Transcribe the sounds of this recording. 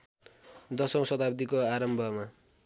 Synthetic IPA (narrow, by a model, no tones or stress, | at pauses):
d̪ʌsʌŋsʌt̪ab̚d̪ikoaɾʌmbʱʌma